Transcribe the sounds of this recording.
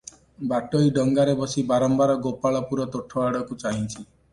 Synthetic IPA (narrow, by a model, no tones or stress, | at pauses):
baʈoiɖɔŋɡaɾebɔsibaɾɔmbaɾɔɡopaɭɔpuɾɔt̪oʈʰɔaɽɔkut͡ʃaɦĩt͡ʃʰi